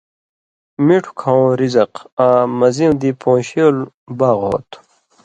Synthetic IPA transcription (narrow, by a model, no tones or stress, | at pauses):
miʈʰu̥kʰãw̃ɾizɐqãːmɐzĩw̃d̪ipõːɕeol | baːɣɦo̰ːt̪